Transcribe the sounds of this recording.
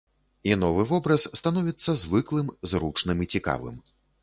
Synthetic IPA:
inɔvɨvɔbɾɐsːt̪anɔvʲit̪sːɐzvɨklˠɨmzɾut͡ʂnɨmit͡sʲika̰vɨ̰m

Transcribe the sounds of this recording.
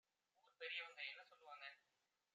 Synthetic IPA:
uːɾt̪ɛɾɪjɐʋɐŋɡɐɛnːɐsɔlːɯʋaːŋɡɐ

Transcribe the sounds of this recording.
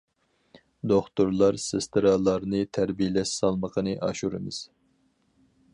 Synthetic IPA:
d̪oχt̪uɾlˠɑɾsɨst̪ʰɨɾɑlˠɑɾnɨt̪ʰæɾbijlɛʃsɑlˠməqʰənɨʔɑːʃuɾɨ̰mɨz̥

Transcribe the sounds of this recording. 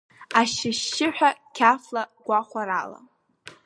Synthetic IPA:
aʃɪʃːɪħʷᶣakʲʰaflaɡʷaχʷaɾala̰

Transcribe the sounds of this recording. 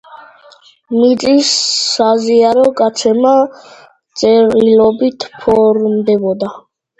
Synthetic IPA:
mit̪sʼisːaziaɾɔɡat̪sʰɛma | t̪sʼɛɾilɔbit̪ʰpʰɔɾmd̪ɛbɔd̪a

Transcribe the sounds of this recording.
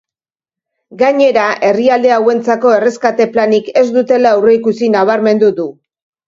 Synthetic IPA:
ɡaɲe̞ɾaʔe̞riald̪e̞awe̞nt͡sako̞e̞re̞skat̪e̞planike̞zd̪ut̪e̞laawreikusinaβ̞aɾme̞nd̪uðu

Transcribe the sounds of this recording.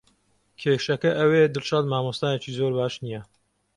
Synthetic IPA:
kʲʰeːʃɐkɐʔɐwed̪ɨlt͡ʃɑːd̪maːmost̪aːnet͡ʃizoːɾbaːʃnijɐ

